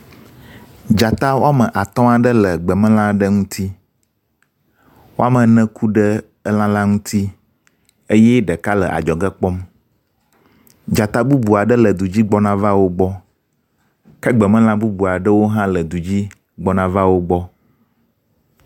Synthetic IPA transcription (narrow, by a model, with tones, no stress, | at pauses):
d͡ʒa˨t̪a˦wo˦a˦mə̃˨ʔa˨t̪ɔ̃˦a˨ɖə˦lə˨ɡ͡bə˨mə̃˦lã˦ɖə˦ŋũ˦t̪ʰi˦ | wo˦a˦mə̃˨nɛ̃˦kʰu˦ɖə˦ | ə˦lã˦lã˦ŋũ˦t̪ʰi˦ | e˦jɛ˦ɖə˨ka˦lə˨ʔa̰˨d͡ʒɔ˨ɡə˦k͡pɔ˦m | d͡ʒa˨t̪a˦bu˦bu˨a˨ɖə˦lə˨d̪u˨d͡ʑi˦ɡ͡bɔ˦nã˦va˦wo˦ɡ͡bɔ˦ | kə˦ɡ͡bə˨mə̃˦lã˦bu˦bu˨a˨ɖə˦wo˦ɦã˦lə˨d̪u˨d͡ʑi˦ | ɡ͡bɔ˦nã˨va˦wo˦ɡ͡bɔ˦